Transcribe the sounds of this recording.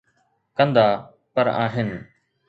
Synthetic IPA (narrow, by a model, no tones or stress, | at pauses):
kə̃nd̪aː | pəɾa̰ːɦɪn